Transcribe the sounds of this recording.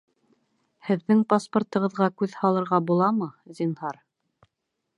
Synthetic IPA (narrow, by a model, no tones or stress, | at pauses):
hɘ̆ðːɘŋpaspŏrt̪ɤ̆ʁɤ̆ðʁɑkʉðhɑlˠɤ̆ɾʁɑbulˠɑmɤzʲinhɑɾ